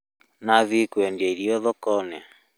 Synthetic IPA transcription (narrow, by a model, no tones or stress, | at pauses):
naβikwɛndaiɾiɔðɔkɔnɛ